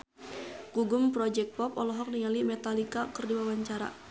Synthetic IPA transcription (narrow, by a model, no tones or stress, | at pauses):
kuɡʊmpɾɔd͡ʒɛk̚pɔpɔlɔɦɔk̚niŋalimɛt̪alikakɨrdiwawaɲt͡ʃaɾa̰